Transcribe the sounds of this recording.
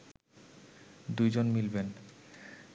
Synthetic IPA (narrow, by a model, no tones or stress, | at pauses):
d̪ujd͡ʑonmilben